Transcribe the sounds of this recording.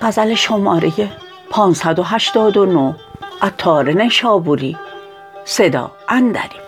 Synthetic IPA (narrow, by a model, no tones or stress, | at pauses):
fæzæleʃomɒːɾeje | pʰɒːnsæd̪o̞ɦæʃt̪ɒːd̪onoʔæt̪ʰːɒːɾeneʃɒːbuɾiː | sed̪ɒ̰ːʔænd̪æ̰ɾi